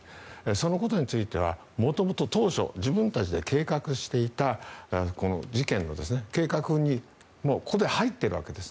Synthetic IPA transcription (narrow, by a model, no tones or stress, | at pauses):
eso̞no̞ko̞t̪o̞ɲ̟it͡sɨit̪e̞β̞a̰ | mo̞t̪o̞mo̞t̪o̞t̪o̞ːɕo̞̰ʑibɯ̟̃nt̪at͡ɕid̪e̞ke̞ːkakɯ̟ɕi̥t̪e̞it̪ako̞no̞̰d͡ʑikẽ̞nːo̞̰d̪e̞sɨne̞ke̞ːkakɯ̟ɲ̟i | mo̞ːkʰo̞d̪e̞hait̪ːeɾɯ̟βa̰ke̞d̪e̞sɨ̥